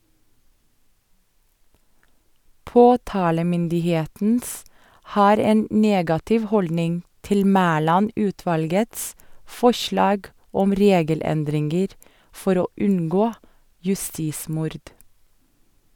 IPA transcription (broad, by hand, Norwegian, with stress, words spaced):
ˈpoːtɑːləmʏndɪˌheːtn̩s ˈhɑːɾ ˈeːn ˈneːɡɑtɪʋ ˈhɔldnɪŋ ˈtɪl ˈmæːlɑˌnʉːtʋɑlɡəts ˈfɔʃlɑːɡ ˈɔm ˈɾeːɡəˌlɛndɾɪŋɡəɾ ˈfɔɾ ˈoː ˈʉŋɡoː jʉˈstiːˌsmʊɾd